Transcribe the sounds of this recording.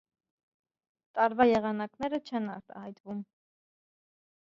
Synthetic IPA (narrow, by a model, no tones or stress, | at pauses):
t̪ɑɾvɑjɛʁɑnɑknɛɾət͡ʃʰɛnɑ̰ɾt̪ɑ̰hɑjt̪vum